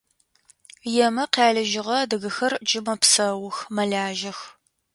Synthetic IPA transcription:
jɛmɐqaːɮɐʒɪʁɐdɨɣɨxɐrd͡ʒɪmɐpsɐwʊxmɐɮaːʒɐx

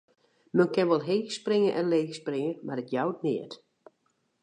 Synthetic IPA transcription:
mɛnkɪnʋɔlˠɦeːɣsprɪŋənʔɛnleːxsprɪŋəmarətjawt̚nɪət

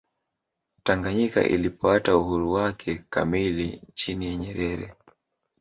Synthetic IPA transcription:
taŋɡaɲika̰ʔḭlipɔatauhuɾuwakʰɛka̰milit͡ʃinijaɲɛɾɛɾɛ̰

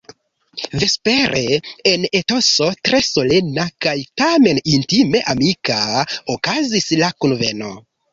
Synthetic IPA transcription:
ve̞spe̞ɾʔe̞eneto̞so̞tɾe̞so̞lenakajtame̞nintime̞ʔamikaokazislakunve̞̰no̞

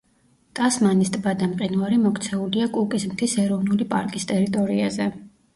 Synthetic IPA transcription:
t̪ʼasmanist̪ʼbad̪amqʼinaɾimɔkʰt̪sʰɛuliakʼukʼizmt̪ʰisɛɾɔvnulipʼa̰ɾkʼist̪ʼɛɾit̪ʼɔɾiazɛ

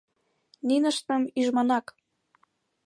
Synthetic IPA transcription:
ninəʃt̪əmyʒmɑnɑk

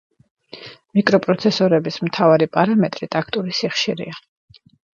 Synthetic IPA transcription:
mikʼɾɔpʼɾɔt̪sʰɛsɔɾɛbismt̪ʰavaɾipʼaɾamɛt̪ʼɾit̪ʼakʰt̪ʼuɾisiχʃiɾḭa

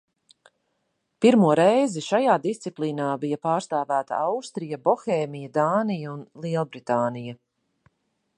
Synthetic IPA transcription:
piɾmuɔɾɛjziʃajaːd̪ist̪siplˠiːnaːbijɐpaːɾst̪aːvæːt̪ɐ̰awst̪ɾijɐbɔxɛːmijɐd̪aːnijaunlˠiɛlˠbɾit̪aːnijɐ

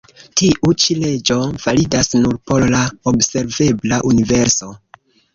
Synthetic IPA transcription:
tiʔut͡ʃile̞d͡ʒo̞v̥alidasnuɾpo̞llaobse̞ɾve̞blaʔunive̞ɾso̞

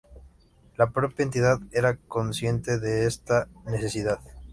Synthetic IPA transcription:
lapɾo̞pjaent̪iðaðeɾako̞nsje̞nt̪e̞ðeest̪ane̞θesiðað

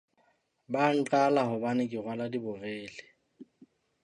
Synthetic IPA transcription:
baŋ̩t͡ɬʼalaɦʊbanɪkʼɪɣwaladibʊreːlɪ

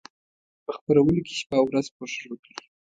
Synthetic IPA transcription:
pəxpaɾawəloke̥ʃpɑwɾazpoʂɾok̪i

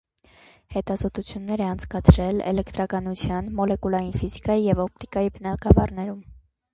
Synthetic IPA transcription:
hɛt̪ɑzɔt̪ut͡sʰjunːɛɾɛɑnt͡sʰkɑt͡sʰɾɛlɛ̰lɛkt̪ɾɑkɑnut͡sʰjɑnmɔlɛkulɑjinfizikɑjijɛvɔp̚t̪ikɑjibənɑɡɑvɑrnɛɾum

